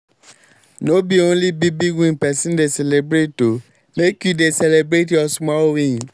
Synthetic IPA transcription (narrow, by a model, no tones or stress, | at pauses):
nobiõlibibiɡĩpɛsĩndesɛlebɾeto | mekudesɛlebɾetɔsumaowĩĩ